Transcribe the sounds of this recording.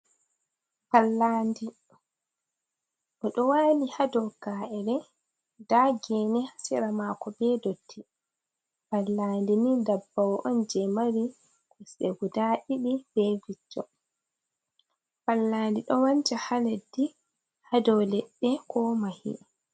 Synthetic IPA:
falːaːndi | ʔɔɗɔwaːlihadɔwɡaːʔɛɾɛ | daɡɛnɛhasiɾamakɔbɛdotʰːi | falːaːndinindabːawʔɔnd͡ʒɛmaɾi | kusɛ̰ɡudaɗiɗib̥ɛvid͡ʒːɔ | falːaːndiɗɔwant͡ʃahaledːi | hadɔwlɛɗːɛkʰɔmahḭ

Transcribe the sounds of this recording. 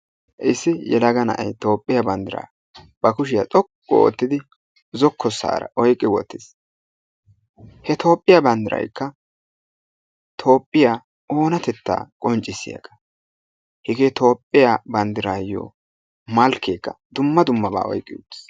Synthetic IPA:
ʔɪsːɪjɛlɐɡɐnɐ̰ʔɐ̰jt̪o̞ːpʼːɪjabɐnd̪ɪɾa̰ː | b̥ɐkʊʃ̬ɪjat͡sʼɔkʼːɔ̰o̰t̪ːɪd̪ɪ | zɔkːɔsːa̰ːɾɐ̰ʔɔjkʼːɪwɔ̰t̪ːɪs | hɛt̪ʰo̞ːpʼːɪjabɐnd̪ɪɾɐ̰jkːɐ | t̪ʰo̞ːpʼːɪjaː | oːnɐt̪ɛt̪ːa̰ːkʼɔnt͡ʃʼːɪsːɪ̰jɐ̰ɡɐ̥ | hɪɡeːt̪ʰo̞ːpʼːɪjabɐnd̪ɪɾaːjo̰ː | mɐlkʰːeːkːɐ̰ | d̪ʊmːɐd̪ʊmːɐba̰ːɔ̰jkʼːɪjt̪ːɪ̥s

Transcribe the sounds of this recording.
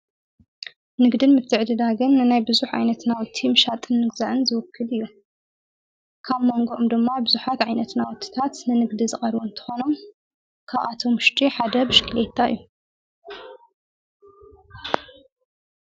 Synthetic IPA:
nɨɡd̪ɨnmɨt̪ʰɨʕd̪ɨd̪aɡɨnːɨnajbɨzuħʕa̰jnɐt̪nawt̪ʰːimɨʃat̪ʼɨnːɨɡzaʕɨnzɨwʊkʰːɨlɨjːu | kʰaβmo̞ŋɡoʔomd̪ɨmːabɨzuħat̪ʕajnɐt̪nawʊt̪ʰːi̥t̪ʰat̪nɨnɨɡd̪izɨχʼɐɾwunt̪ʰɨ̥xo̞no̞m | kʰaβʔat̪ʰomɨʃt̪ʼiħad̪ɐbɨʃkʰɨlet̪ʰːaɨ̰jːu

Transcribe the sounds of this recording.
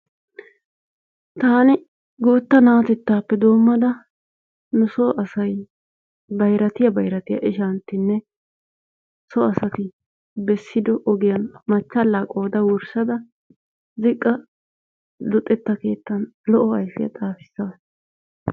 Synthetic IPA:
t̪aːnɪ | ɡoːt̪ːɐnaːt̪ɛt̪ːaːpːɛd̪o̞ːmːɐd̪ɐ | nʊsɔʔɐsɐj | bɐjɾɐt̪ɪjɐbɐjɾɐt̪ɪjɐ̰ʔɪʃɐnt̪ːɪnːɛ | sɔɐsɐt̪ɪ | bɛsːɪd̪ɔʔɔɡɪjɐnmɐt͡ʃːɐlːaːkʼo̞ːd̪ɐwɔɾsɐd̪ɐ | zɪkʼːɐ | d̪ɔt̪ʼːɛt̪ːɐke̞ːt̪ːɐnlɔʔɔɐjfɪjɐ̰t̪ʼaːfɪ̥sːɐ

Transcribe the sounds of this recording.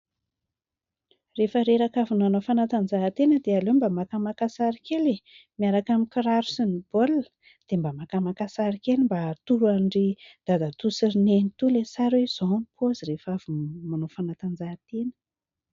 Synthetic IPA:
refəɾeɾakavunmanofanat̪and͡zaɦt̪enəd̪ealombamakamakasaɾikelemiaɾakamikiɾaɾu̥sinib̥olə̥ | d̪̥embamakamakasaɾikelimbat̪uɾuaɳɖ͡ʐid̪̥ad̪at̪usiɾinenit̪ulesaɾwez̥onpʰozirefavumanofanat̪and͡zat̪enə̥

